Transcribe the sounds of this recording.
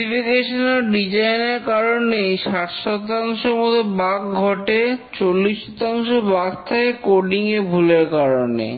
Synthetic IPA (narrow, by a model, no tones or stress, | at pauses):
ifikeʃoneɾɖid͡ʑajneɾkaɾonːeʃat̪ʃɔt̪aŋʃomod̪ʱobak̚ɡʱɔʈet͡ɕolːisːɔt̪aŋʃobakt̪ʰaekoɾɖiŋebʱuleɾkaɾonḛ